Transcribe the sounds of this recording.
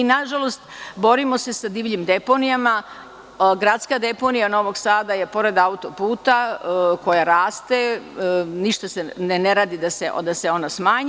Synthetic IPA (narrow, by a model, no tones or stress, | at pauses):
inaʒalo̞st̪bo̞ɾimo̞se̞sad̪iːʋʎimd̪e̞po̞nijama | ɡɾat̪skad̪e̞po̞nijano̞ʋo̞ɡsaːd̪aje̞po̞ɾe̞d̪aut̪o̞puːt̪ako̞jaɾaːst̪e̞ | niʃt̪aseneneɾaːd̪id̪aseʔd̪aseo̞nasmaːɲ